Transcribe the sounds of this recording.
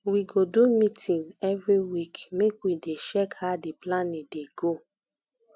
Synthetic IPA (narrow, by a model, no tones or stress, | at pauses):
wiɡodumitʰĩnɛvɹiwikmekwideʃɛkhadeplanideɡo